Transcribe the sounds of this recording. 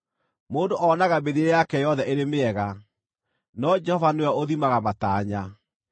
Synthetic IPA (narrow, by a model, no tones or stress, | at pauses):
moːndoʔɔːnaɣabeðeejakɛjɔðɛʔeɾemeɛɣa | nɔd͡ʒɛhɔvanoaoðimaɣamataːɲa